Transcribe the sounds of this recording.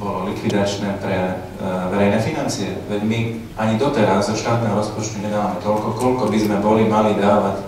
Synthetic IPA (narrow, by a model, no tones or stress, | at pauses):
bɔlɔlikʋid̪at͡ʃnɛːpɾɛ | ʋɛɾɛjnɛfinant͡siɛʋɛɟmi | aɲid̪ɔt̪ɛɾazzɔʃt̪aːt̪nɛːɦɔɾɔspɔt͡ʃt̪uɲɛd̪aːʋamɛt̪ɔlkɔkɔlkɔbizmɛbɔlimalid̪aːʋac